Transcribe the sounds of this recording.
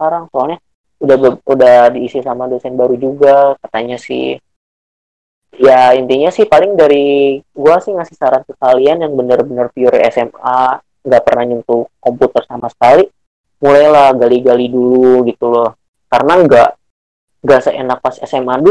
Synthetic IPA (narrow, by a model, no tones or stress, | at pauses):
aɾaŋsoalɲa | udabudahdiːsisamadosɛnbaɾud͡ʒuɡakat̪aɲasɪ̰h | jaint̪iɲasɪhpalɪŋdaɾiɡuasɪhmasɪ̥hsaɾaŋkəkalianjaŋbənərbənərpiʊɾɛ̰sɛma | ŋɡaʔpərnaɲunt̪ukomput̪ərsamasə̥kali | mulajlahɡaliɡaliduluɡit̪ulɔh | kaɾənaŋɡaʔ | ŋɡasəenak̚pasɛsɛmadu